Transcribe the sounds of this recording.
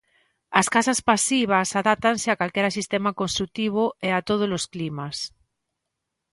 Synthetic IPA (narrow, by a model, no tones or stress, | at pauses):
askasaspasiβ̞asaðap̚t̪anseakalkeɾasist̪emakõnst̪ɾuk̚t̪iβ̞oeat̪oð̞olosklimas